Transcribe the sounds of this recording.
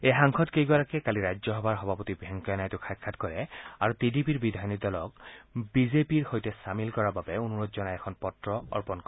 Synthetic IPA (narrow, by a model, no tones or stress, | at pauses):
ejɦaŋxʰɔtkejɡɔɹakɛkaliɹajzɔɦɔbʱaɹxɔbʱapɔtibʱɛŋkɔjanajtʊkʰajkʰːatkɔɹɛaɹutidipiɹbidʱajnidalɔkbizepiɹhojtɛsamilkɔɹababɛunuɹɔtzɔnajɛkʰɔnpɔtɹɔɔ̰ɹpɔnkɔ